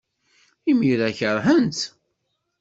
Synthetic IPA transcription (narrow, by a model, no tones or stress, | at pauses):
imiɾæçəɾˤħənt̪